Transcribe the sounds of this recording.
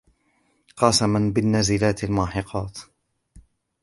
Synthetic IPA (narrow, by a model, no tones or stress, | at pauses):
qɑsamanbɪnːazɪlaːt̪almaːħɪqʰɑːt̪